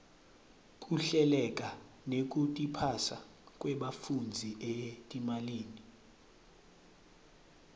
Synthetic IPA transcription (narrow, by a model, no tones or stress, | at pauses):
kʼuɬɛlɛk̬ʼa | nek̬ʼutʼipʰasa̰ | k̬ʼwɛɓafund͡zʱiʔetʼimaliːni